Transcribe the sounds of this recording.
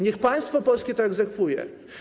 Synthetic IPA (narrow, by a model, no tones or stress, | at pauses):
ɲɛxpaj̃st̪fɔpɔlskʲɛt̪ɔɛɡzɛkfujɛ̰